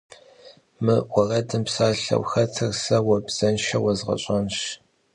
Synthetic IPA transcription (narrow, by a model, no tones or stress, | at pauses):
mɨwʷɔrɐdɨmpsaːɬɐ̰wxɐtʰɨrsɐwɐbz̥ɐnʃɐwɐzʁɐ̰ɕʼɐnʃ